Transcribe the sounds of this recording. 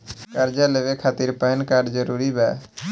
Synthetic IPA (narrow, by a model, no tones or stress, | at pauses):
kəɾd͡ʒaleːʋekʰaːt̪iɾpɛɦənkaːɾɖd͡ʒəɾuːɾibɛː